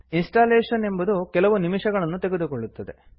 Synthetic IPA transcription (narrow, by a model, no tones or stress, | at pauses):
insʈaːleːʂɐne̞mbɐd̪ukɛlɐʋunimiʂɐɣɐɭɐnːut̪eɡed̪ukoɭːut̪ːɐd̪e̞̰